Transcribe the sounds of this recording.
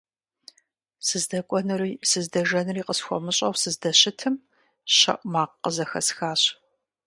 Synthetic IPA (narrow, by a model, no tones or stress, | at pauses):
sɨzdɐkʷʼɔnɨriːsɨzdɐʒɐnɨriːqəsxʷɔ̰mɨɕʼɐwsɨzdɐɕɪtʰɨm | ɕɐ̰ʔʷʼmaːqːəzɐxɐ̰sxaːɕ